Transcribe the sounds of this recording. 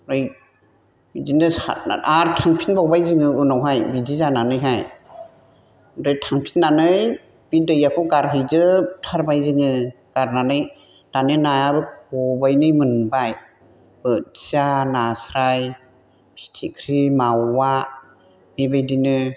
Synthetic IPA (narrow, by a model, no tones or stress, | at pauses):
ɾɯj | bidinɯa̰aɾtʰaŋpʰinbawbajzɯŋɯunɔwɦajbidizananɯjɦaj | ɾɯjtʰaŋpʰinnanɯj | b̥idɯjakʰɔɡaɾɦɯjzɯtʰaɾbajzɯŋɯ | ɡ̥aɾnanɯj | danɯnajabɯkʰɔbajnɯjmɯnbaj | bɯt̚zanasɾaj | pʰi̥tʰikʰɾimawːa | bebajdinɯ